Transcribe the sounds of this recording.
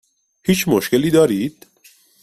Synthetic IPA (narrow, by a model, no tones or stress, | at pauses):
hiːt͡ʃʰmoʃce̞liːd̪ɒːɾiːd̪̥